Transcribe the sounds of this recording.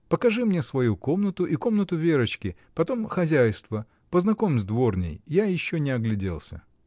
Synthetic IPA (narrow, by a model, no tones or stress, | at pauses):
pəkɐʐɨmnʲesvɐjuko̞mnət̪ʊʔiko̞mnət̪ʊvʲeɾət͡ɕkʲɪ | pɐt̪o̞mxɐzʲæjst̪və | pəznɐko̞mʲzʲd̪vo̞rnʲɪ̰jjajɪɕːonʲɪɐɡlʲɪdʲḛlˠsʲə̰